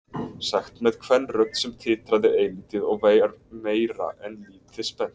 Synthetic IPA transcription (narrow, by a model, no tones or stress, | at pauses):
saxt̪mɛð̥kʰvɛnːrœt̪sɛmt̪ʰɪːt̪ɾaðɪejliːt̪ɪðɔɣveːjaɾmeːjɾa̰ʔɛnliːt̪ɪspɛn̥t̪